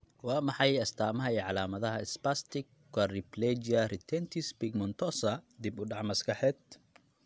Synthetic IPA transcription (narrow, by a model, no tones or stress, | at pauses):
wɑːmɑħɑjɐst̪ʰaːmɐɦɐiːʕɑlaːmɐðɐɦɐɪspast̪ɪk̚ | kwariplɛd͡ʒiɐrɪt̪ʰɛnt̪ʰispiɡmɔnt̪ʰɔsɐd̪ibʊɖɑʕmɐskɐħɛːd̪